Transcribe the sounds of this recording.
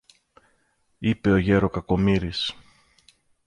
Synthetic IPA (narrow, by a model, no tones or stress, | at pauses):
ipe̞o̞ʝe̞ɾo̞kɐko̞miɾis